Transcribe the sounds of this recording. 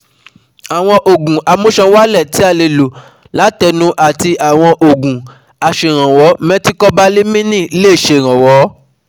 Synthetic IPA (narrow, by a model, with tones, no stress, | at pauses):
a˨w̃ɔ̃˧ʔo˨ɡũ˨ʔa˨mõ˦ʃã˧wa˦lɛ˦˨ti˦a˧le˨lo˨ | la˨˦tɛ˧nũ˦ʔa˦˨ti˧ʔa˨w̃ɔ̃˧ʔo˨ɡũ˨ | a˨ʃe˨ɾ̃ã˨wɔ˨˦mɛ̃˦ti˦kɔ˦ba˦li˦mĩ˦nĩ˦˨i˦leː˦˨ʃe˨ɾ̃ã˨wɔ˨˦